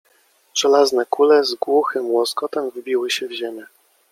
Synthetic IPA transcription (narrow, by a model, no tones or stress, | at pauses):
ʐ̥ɛlaznɛkulɛzɡwuxɘmwɔskɔt̪ɛmvbʲiwɘɕɛvʑemʲɛ